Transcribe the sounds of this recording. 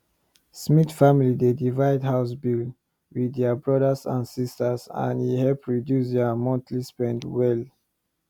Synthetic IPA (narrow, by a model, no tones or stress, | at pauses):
smitfamilidedivaɪdhaʊs̬bil | widɛbɹɔdəsã̰nsistəsã̰nihɛlpɹidjusdɛmɔ̃ntlispɛ̃ndwɛl